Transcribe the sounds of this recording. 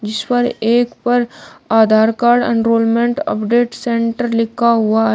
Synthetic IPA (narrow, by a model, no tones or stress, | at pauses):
d͡ʒɪspɐɾeːkpɐɾaːd̪ʱaːɾkaːɾɖɐ̰̃ɳɾoːlmẽɳʈə̰pɖeːʈsẽɳʈəɾlɪkʰːaɦʊa